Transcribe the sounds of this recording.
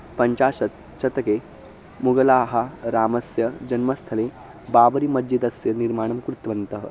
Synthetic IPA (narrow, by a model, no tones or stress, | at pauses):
pɐɲt͡ʃaːɕɐt̪̚ | t͡ʃɐt̪ɐke | muɡɐlaːɦaɾaːmɐsjɐd͡ʒɐnmɐst̪ʰɐle | baːbɐɾimɐd͡ʒit̪ɐsjɐniɾmaːɳ̃ɐmkɾut̪ʋɐnt̪ɐɦə̰